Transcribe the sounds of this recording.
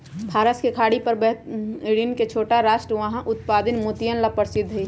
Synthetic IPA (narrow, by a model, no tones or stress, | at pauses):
pʰaːɾəskekʰaːɽipəɾbəɦt̪iɽinket͡ʃʰoːʈaɾaːʃʈɾəʋəɦãʔʊt̪paːd̪ɪnmut̪ijənlapəɾsɪd̪ʱɦəi